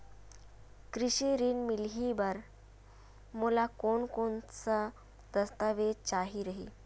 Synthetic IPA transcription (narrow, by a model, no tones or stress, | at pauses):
kɾiɕiɾiːnmilɦibaɾ | mulakoɳkoɳt͡sa | d̪̥əst̪aʋet͡ɕaɦiɾəɦḭ